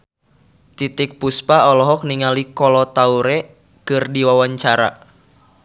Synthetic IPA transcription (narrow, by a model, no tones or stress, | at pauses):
t̪it̪ik̚puspaɔlɔɦɔk̚niŋalikɔlɔt̪auɾɛ | kɨrdiwawaɲt͡ʃaɾa̰